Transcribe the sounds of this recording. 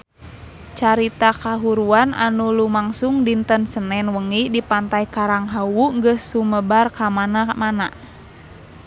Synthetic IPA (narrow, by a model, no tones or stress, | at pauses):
t͡ʃaɾit̪akaɦuɾuana̰nulumaŋsuŋdint̪ənsənɛnwəŋidipant̪ajkaɾaŋɦawuŋɡəsːuməbarkamanamana